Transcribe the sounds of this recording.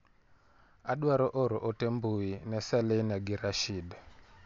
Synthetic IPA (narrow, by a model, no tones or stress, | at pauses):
aɗwaɾɔʔɔɾɔʔɔtembuinɛsaleinaɡiɾaʃid